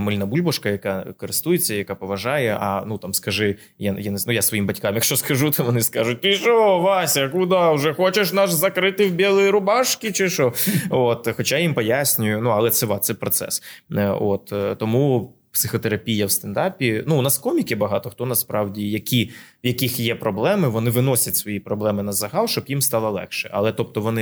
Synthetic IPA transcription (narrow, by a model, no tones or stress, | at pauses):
mɪlʲnɐbulʲbɔʃkɐjɐkɑkɔɾɪst̪ujet͡sʲːɐjɐkapɔʋɐʒɑjɛʔɐ̰nut̪ɑmskɐʒɪ | jajanenujasʋɔjimbɐtʲkɑmjɐkʃt͡ʃɔskɐʒut̪ʋɔnɪskɑʒʊt̪̚ʲɪʃɔʋɑsʲɐkʊd̪ɑʊʒɛxɔt͡ʃeʃnɑʃzɐkɾɪt̪ɪwbʲelˠɪjiɾʊbɑʃkʲit͡ʃɪʃɔot̪xɔt͡ʃajimpɔjasʲnʲʊjʊnuɐlˠɛt̪sɛʋɑɛpɾɔt̪sɛ̰sot̪t̪ɔmu | psɪxɔt̪eɾɐpʲijɐwst̪ɛnd̪ɑpʲinuːnɑskɔmʲikʲɪbɐɦɑt̪ɔxt̪ɔnɐspɾɑwdʲijɐkʲi | jɐkʲixjɛpɾɔblˠɛmɪʋɔnɪʋɪnɔsʲɐtʲsʋɔjipɾɔblˠɛmɪnɐzɐɦɑlˠʃt͡ʃɔbjimst̪ɑlˠɔlˠɛ̰xʃɛɐ̰lˠɛt̪ɔp̚t̪ɔʋɔnɪ